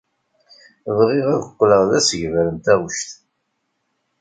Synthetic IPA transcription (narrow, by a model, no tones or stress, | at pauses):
ðʁiʁæðəqʷːləʁðæsəʝvæɾəmt̪æʁəʃt̪